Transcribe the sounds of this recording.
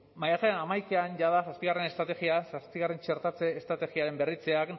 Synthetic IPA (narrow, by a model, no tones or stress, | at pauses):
majaɣeanamajkeanʝaðasaspiɣare̞ne̞st̪ɾat̪e̞ɣiasaspiɣare̞nt͡ʃe̞ɾt̪at͡seːst̪ɾat̪e̞ɣiaɾe̞mbe̞rit͡seak